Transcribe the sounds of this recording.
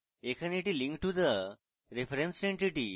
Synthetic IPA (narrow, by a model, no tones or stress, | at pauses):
ekʰəniʈilĩŋkʈːud̪ə | ɾefɾẽnsẽɳʈiʈḭ